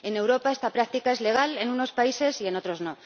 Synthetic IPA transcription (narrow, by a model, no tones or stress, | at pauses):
e̞ne̞wɾo̞pae̞st̪apɾak̚t̪ikae̞zle̞ɣ̞ale̞nuno̞spaise̞sie̞no̞t̪ɾo̞zno̞